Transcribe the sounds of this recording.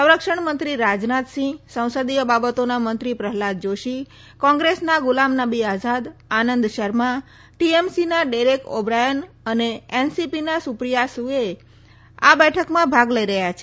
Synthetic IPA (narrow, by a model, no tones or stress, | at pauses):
sə̃w̃ɾəkʃəɳmənt̪ɾiɾad͡ʒnat̪sĩsə̃w̃səd̪ijəbabət̪onamənt̪ɾipɾəɦlad̪̚d͡ʒoʃi | kɔ̃ŋɡɾesnaɡʊlamnabiad͡ʒad̪anənd̪ʃəɾma | ʈiemsinaɖeɾekobɾajən | əneensipinasupɾijasue | a̰bɛʈʰəkmãbʱaɡləiɾəɦjat͡ʃʰe